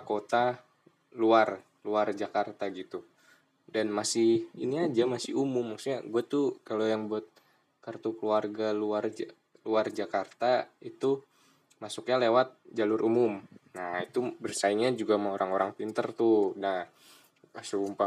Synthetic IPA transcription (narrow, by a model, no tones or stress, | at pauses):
kot̪a | luar | luard͡ʒakart̪aɡit̪u | danmasɪhiniad͡ʒamasɪumʊmːaksuɲaɡuat̪ukalojaŋbuat̪̚ | kərt̪ukəluarɡaluar | luard͡ʒakart̪ait̪u | masukɲalewat̪̚d͡ʒalʊɾʔumʊmnait̪ubərsaiŋɲad͡ʒuɡamaoɾʔaŋoɾaŋpint̪ərt̪unah | asuumpa